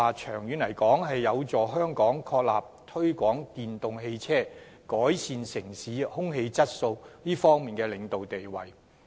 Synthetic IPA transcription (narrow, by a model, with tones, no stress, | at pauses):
aː˨t͡ʃʰœː˨˩ŋjyː˨˥nlɐ˨˩jkɔː˨˥ŋɦɐ˨jːɐ˨˧wt͡sɔː˨˩ɦœː˥ŋkɔː˨˥ŋkʰɔː˧k̚la̰ː˨p̚t̪ʰɵ˥ɥkʷɔː˨˥ŋt̪iː˨nt̪ʊ˨ŋɦe˧jt͡sʰɛː˥ | kɔː˨˥jsiː˨nsɪ˨˩ŋsiː˨˥hʊ˥ŋhe˧jt͡sɐ˥t̚so˧wliː˥fɔː˥ŋmiː˨nkɛː˧lɪ˨˧ŋt̪o˨wt̪e˨jwɐ̰˨˩j